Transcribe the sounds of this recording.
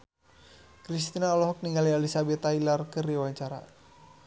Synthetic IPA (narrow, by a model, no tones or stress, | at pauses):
kɾist̪inaɔlɔɦɔk̚niŋalialisabɛt̪ailarkɨriwaɲt͡ʃaɾa̰